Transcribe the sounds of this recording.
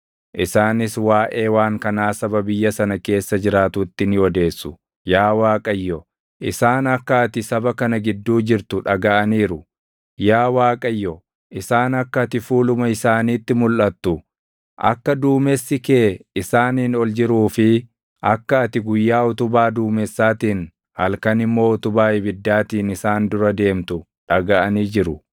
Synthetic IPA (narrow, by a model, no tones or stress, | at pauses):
ʔɪsaːnɪswaːʔe̞ːwaːŋkɐnaːsɐbɐbɪjːɐsɐnɐke̞ːsːɐd͡ʒɪɾaːt̪ʊt̪ːɪnɪwɔd̪e̞ːsːʊ̥ | jaːwaːkʼɐjːɔ | ʔɪsaːnɐkːɐɐt̪ɪsɐbɐkɐnɐɡɪd̪ːuːd͡ʒɪɾt̪ʊᶑɐɡɐʔɐniːɾʊ | jaːwaːkʼɐjːɔ | ʔɪsaːnɐkːɐɐt̪ɪfuːlʊmɐɪsaːniːt̪ːɪmʊlʔɐt̪ːʊ | ʔɐ̰kːɐd̪uːmɛsːɪkeːɪsaːniːnɔld͡ʒɪɾuːfɪ | ʔɐkːɐɐt̪ɪɡʊjːaːʊt̪ʊbaːd̪uːmɛsːaːt̪iːn | hɐlkɐnɪmːo̞ːʊt̪ʊbaːɪbɪd̪ːaːt̪iːnɪsaːnd̪ʊɾɐd̪e̞ːmt̪ʊ | ᶑɐɡɐʔɐniːd͡ʒɪɾʊ